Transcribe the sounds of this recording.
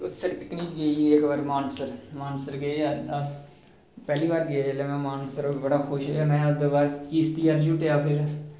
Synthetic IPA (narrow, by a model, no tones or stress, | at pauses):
ʊt̪ːsəʈpɪkniːkɡəiːeːkbəɾmaːnsəɾmaːnsəɾɡəiaːəs | pɛːliːʋaːɾɡeleːmɛ̃ːmaːnsəɾoːbəɽaːxʊʃɦɛmɛ̃ːd̪əbaːɾkiːst̪iːaːʃuʈeaːpʰɪɾ